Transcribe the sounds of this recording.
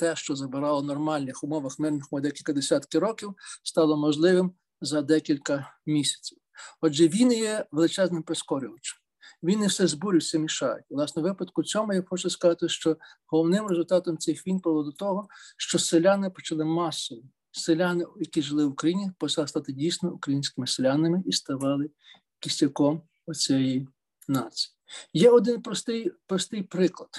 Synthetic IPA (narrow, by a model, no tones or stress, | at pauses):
t̪ɛʃt͡ʃɔzɐbɪɾɑlˠɔnɔrmɑlʲnɪxʊmɔʋɐxmɪrnɪxɔd̪ɛkʲilʲkɐd̪esʲat̪kɪɾɔkʲiwst̪ɑlˠɔmɔʒlˠɪʋɪm | zɐd̪ɛkʲilʲkɐmʲisʲɐ̥t͡sʲiwɔd͡ʒɛʋʲinjɛʋelˠɪt͡ʃɛznɪmpɾeskɔɾʲɪʋɐt͡ʃɐ̥m | ʋʲinɪwsɛzbuɾʲiwsʲɐmʲiʃɑjʊ̰tʲlˠɑsnɔʋɪpɐd̪kʊt͡sʲɔmʊjaxɔt͡ʃʊskɐzɑt̪ɪʃt͡ʃɔ | ɦɔlˠɔwnɪmrezʊlʲt̪ɑt̪ɔmt͡s̪ʲɪxʋʲinpɔʋlˠɔd̪ʊt̪ɔɦɔʃt͡ʃɔselʲanɪpɔt͡ʃɐlˠɪmɑsɔjʊ | selʲanɪjɐkʲiʒɪlˠɪwʊkɾɐjinʲipɔt͡ʃɐlˠst̪ɑt̪ɪdʲijsʲnɔukɾɐjinʲsʲkɪmɪselʲanɪmɪʔist̪ɐʋɑlˠɪ | kʲisʲɐkɔm | ɔt͡sʲɛji | nɑt͡sʲijjijɛɔd̪ɪnpɔst̪ɪjpɾɔst̪ɪjpɾɪklˠɐd̪̥